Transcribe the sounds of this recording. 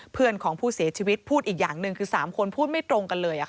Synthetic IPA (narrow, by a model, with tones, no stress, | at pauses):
pʰɯ˥˩ənkʰɔː˩˦ŋpʰuː˥˩si˨˩˦t͡ɕʰiː˧wi˦˥t̪̚pʰuː˥˩t̪̚ʔiː˨˩k̚jaː˨˩ŋnɯ˧ŋkʰɯː˧saː˩˦mkʰo˧npʰuː˥˩t̪̚ma˥˩t̪ɾo˧ŋka˧nlɤː˧jʔa˨˩kʰ